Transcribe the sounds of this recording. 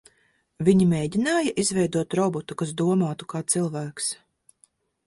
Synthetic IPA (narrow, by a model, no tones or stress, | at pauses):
viɲimʲeːɟʲinaːjaʔizvɛjd̪uɔt̪ɾɔbɔt̪ukas̬d̪uɔmoːt̪ukaːt̪silˠvæːks